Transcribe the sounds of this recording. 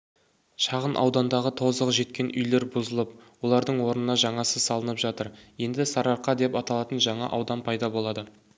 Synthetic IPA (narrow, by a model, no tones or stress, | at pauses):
ʃɑʁənʔɑ̰wd̪ɑnd̪ɑʁət̪ʰo̞zəʁʒe̞t̪kʲe̞nʔʏjle̞ɾbʊzəlˠəpwo̞lˠɑɾd̪əɴwo̞ɾnənɑʒɑɴɑsəz̥sɑlˠənəpʒɑt̪əɾje̞nd̪ɪsɑɾɑɾqɑd̪e̞pɑt̪ɑlˠɑt̪ənʒɑɴɑ̰ʔɑwd̪ɑnpʰɑjd̪ɑbo̞lˠɑd̪ə